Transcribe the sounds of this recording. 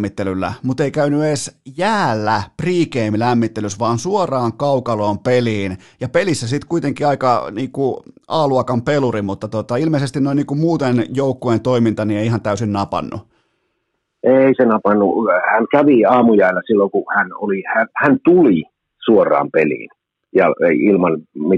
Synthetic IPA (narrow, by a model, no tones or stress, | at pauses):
it̪ːelylːæ̰mut̪eikæynyeːsjæːlːæpriːkeimlæmːit̪ːelysʋɑːnsuorɑːŋkɑukɑloːmpeliːn | jɑpelisːæsit̪kuit̪eŋkiɑikɑniːkuʔɑːluɑkɑmpelurimut̪ːɑt̪ot̪ɑilmeisest̪innoˑiniːkummuːt̪enjoukːoent̪oimint̪ɑnieiihɑnt̪æysinnɑpɑ̰nːṵ | eˑisenɑpɑnːuhænkæʋiɑːmujæˑilːæsilːoŋkuhæno̰lihænhænt̪uli | suorˑɑ̰ːmpelḭːn | jɑ̰eiilmɑnmi